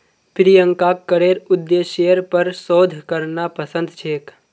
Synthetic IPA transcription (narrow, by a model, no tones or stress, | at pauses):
pʰɪɾijə̃ŋkaːkːəɽeːɾʊd̪jeʃejəɾpɐɾsoːd̪ʱkəɾnapəsə̃nd̪t͡ʃʰeːk